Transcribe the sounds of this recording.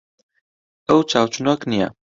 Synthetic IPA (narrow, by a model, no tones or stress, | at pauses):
əwt͡ʃaːwt͡ʃunoknija̰